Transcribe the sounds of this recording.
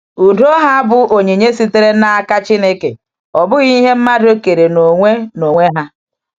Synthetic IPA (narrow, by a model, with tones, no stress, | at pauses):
u˨do˦ɦa˦bʊ˦ʔo˨ɲe˨ɲe˦si˦te˦ɾe˦na˦a˦ka˦t͡ʃi˦ne˦kḛ˨ | ɔ˨bʊ˦ɣi˦ɦe˦m̩˦ma˦do˦ke˨ɾe˨no˨ŋʷe˦no˨ŋʷe˦ɦa˦